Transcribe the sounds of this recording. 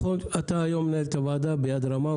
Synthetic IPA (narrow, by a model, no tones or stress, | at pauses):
oɐt̪aːjoːmnɐɾt̪ɐʋaːd̪aːbjaːd̪ɾɐmã